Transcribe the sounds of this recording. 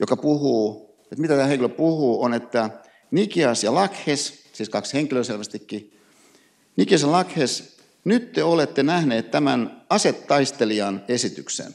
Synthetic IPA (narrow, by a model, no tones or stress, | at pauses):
jokɑpuhuː | ot̪mit̪æt̪æːeŋkiløpuhuːonet̪ːæ | nikiɑsjɑlɑkhessiːskɑksheŋkiløselʋæst̪ikːi | nikiɑsjɑlɑkhes | nyt̪t̪eolet̪ːenæhneːt̪t̪æmænɑset̪ːɑist̪eliɑnesit̪yksḛn